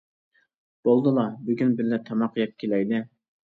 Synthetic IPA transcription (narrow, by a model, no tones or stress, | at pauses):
b̥olˠd̪ɨlˠɑbyɡʲynbɪlːɛt̪ʰɑmɑqʰːjɑp̚kʲʰelɛjd̪ɪ